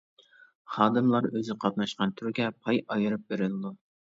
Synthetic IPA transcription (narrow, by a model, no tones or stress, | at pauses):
χɑːd̪ɨmlˠɑɾøzɪqʰɑp̪̚nɑʃqɑnt̪ʰyɾɡʲɛpʰɑjɑjɨɾɨp̚beɾɪlˠɨd̪u